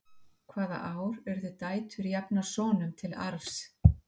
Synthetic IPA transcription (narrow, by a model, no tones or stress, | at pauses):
kʰvaːða̰ʔaːwɾɛɾðʏt̪aːjt̪ʏɾjapnḁsɔːnʏmt̪ʰɪla̰ɾfs